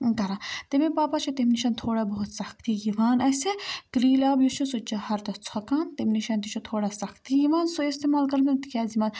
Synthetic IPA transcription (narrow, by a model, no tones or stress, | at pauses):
ɡɐɾat̪emepaːpat͡ʃʰit̪emniʃɐːnt̪ʰoːɽaːbɐɦut̪sɐxt̪ijiʋaːnɐsekɾiːlaːbjut͡ʃʰusut͡ʃɐhɐɾt̪ɐt͡sʰɐkaːnt̪emniʃant̪it͡ʃʰut̪ʰoːɽaːsɐxt̪ijiʋaːnsuist̪emaːlkɐɾd̪int̪ikʰʲaːzimaːn